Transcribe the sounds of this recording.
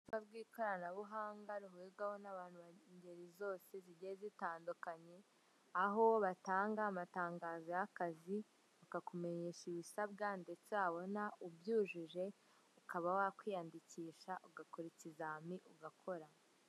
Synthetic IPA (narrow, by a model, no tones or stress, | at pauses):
ufabɡwiːko̞ɾanaβuɦaːŋɡaɾuɦweɡwaho̞naβaːn̥huβaɲɟe̞ɾizo̞ːse̞ziɟezitaːndukaɲe̞ | aɦowβataːŋɡaːmataːŋɡaːzojakazi | βakakome̞ɲe̞ːʃiβisabɡande̞t͡seaβo̞naubjuːʒuʒe̞ | ukaβawakwiːjandiciːʃaʔuɡakoɾicizamiʔuɡakʰo̞ɾa